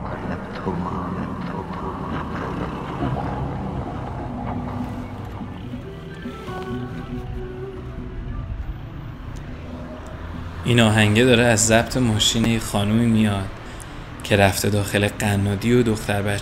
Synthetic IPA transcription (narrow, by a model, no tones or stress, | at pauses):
ʔiːnɒːɦæŋɟe̞d̪ɒːɾeæzːæbt̪ʰe̞mɒːʃiːnejexɒːnumiːmijɒːd̪̥ | cʰe̞ɾæft̪ʰe̞d̪ɒːxe̞le̞ɢænːɒːd̪iod̪o̞xt̪ʰæɾbæ